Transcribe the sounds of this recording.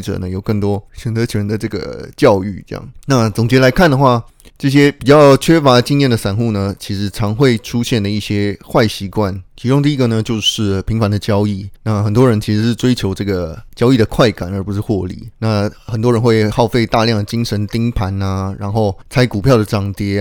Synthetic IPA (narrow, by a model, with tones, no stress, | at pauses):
ʈ͡ʂɤ̰˨˩nə˦jo˨˩ʊkɤ˥˩ŋt̪wɔ˥t͡ɕʰɥɛ˧˥nt̪ə˧˥t͡ɕʰnd̪ə˨˧ʈ͡ʂɤ˥˩ɡə̰˩t͡ɕjɑ˥˧ʊy̰˥˩ʈ͡ʂjɑ̰˥˩ŋna˥˩t͡sʊ˨˩ŋt͡ɕjɛ˧˥la˧˥ɪkʰa˥˩nd̪ə˩xwa˥˩ | ʈ͡ʂɤ˥˩ɕ̬jɛ˥pi˨˩t͡ɕjɑ˥˩ʊt͡ɕʰɥɛ˥fa˧˥˧t͡ɕi˥˧ŋjɛ˥˩nd̪ə˩ʂa˨˩nxu˥˩nə˩t͡ɕʰi˧˥ʂɻ̩˧˥ʈ͡ʂʰɑ˧˥ŋxwe˥˩ɪʈ͡ʂʰu˥ɕjɛ˥˩nd̪ə˩i˥˩ɕjɛ˥xwa˥˩ɪɕi˧˥kwa˥˩nt͡ɕʰi˧˥ʈ͡ʂʊ˥ŋt̪̬i˥˧i˥ɡə˨nə˩t͡ɕjo˥˧ʊʂɻ̩˥˩pʰi˧˥ŋfa˧˥nd̪ə˨t͡ɕjɑ˥ʊi˥˩na˥˩xə˨˩nt̪wɔ˥ɻə˧˥nt͡ɕʰi˧˥ʂɻ̩˧˥ʂɻ̩˥˩ʈ͡ʂwe˥ɪt͡ɕʰjo˧˥ʊʈ͡ʂɤ˥˩ɡə˩t͡ɕjɑ˥ʊi˥˩d̪ə˩kʰwa˥˩ɪka˨˩nə˞˧˥pu˧˥ʂɻ̩˥˧xwɔ˥˧lḭ˥˩na˥˩xə˨˩nt̪wɔ˥ɻə˧nxwe˥˧ɪxɑ˥˧ʊfe˥˧ɪt̪a˥˧ljɑ˥˩ŋd̪ə˩t͡ɕi˥ŋʂə˧˥nt̪i˥ŋpʰa˧˥nɐ˧ɻa̰˧˥nxo˥˩ʊt͡sʰa˧˥ɪku˨˩pʰjɑ˥˩ʊd̪ə˩ʈ͡ʂɑ˥ŋt̪jɛ˥